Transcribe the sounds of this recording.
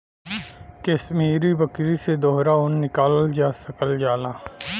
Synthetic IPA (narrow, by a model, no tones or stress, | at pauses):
kesmiːɾibəkɾised̪oɦɾaʊnːɪkaːlld͡ʒaːsəkəld͡ʒaːlaː